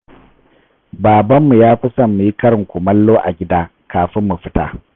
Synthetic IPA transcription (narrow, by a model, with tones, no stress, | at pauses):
baː˨bɐ˦mːu˨jaː˦ɸɪ˦sɐ˨mːu˨ji˦kɐ˦ɾɪ˨ŋkʷʊ˨mɐ˦lːoː˦ʔa̰˨ɡʲɪ˦daː˦ | kaː˨ɸɪ˦mːu˨ɸɪ˦ta̰ː˦